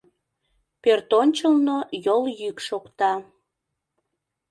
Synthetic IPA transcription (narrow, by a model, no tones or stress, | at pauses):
pørt̪onʲt͡ɕəlnojoljykʃokt̪ɑ